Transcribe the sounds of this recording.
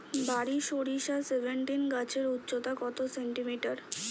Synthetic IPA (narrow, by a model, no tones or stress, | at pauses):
baɾiʃoɽiʃasebʱeɳʈinɡat͡ɕʰeɾutːɕot̪akɔt̪oseɳʈimiʈaɾ